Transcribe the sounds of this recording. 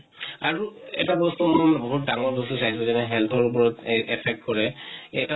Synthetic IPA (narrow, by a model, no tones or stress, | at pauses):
a̰ɹuɛ̰tabɔst̪umɔbɔɦut̚daŋɔɹbɔst̪usaɦis̬ɔzɛnɛɦɛlt̪ʰɔɹup̬ɔɹɔtɛpʰɛk̚tkɔɹɛɛta